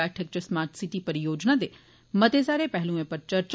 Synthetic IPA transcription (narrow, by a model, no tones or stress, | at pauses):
ɛːʈʰək̚t͡ʃɐsmaːɾʈsiʈipɐɾjoːd͡ʒnad̪eː | mɐt̪esaːɾepɛɦlũẽpɐɾt͡ʃɐɾt͡ʃ